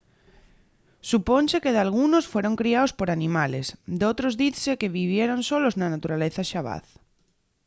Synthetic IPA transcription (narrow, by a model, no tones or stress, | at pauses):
suponsekeðalɣ̞unosfweɾoŋkɾiaospoɾanĩmalesd̪ot̪ɾozðiθsekeβiβ̞jeɾonsoloznanat̪uɾaleθaʃaβ̞a̰θ